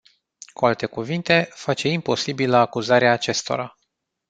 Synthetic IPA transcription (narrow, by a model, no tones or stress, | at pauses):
kualt̪e̞kuvint̪e̞fat͡ʃe̞impo̞sibiləakuzaɾeaːt͡ʃe̞st̪o̞̰ɾa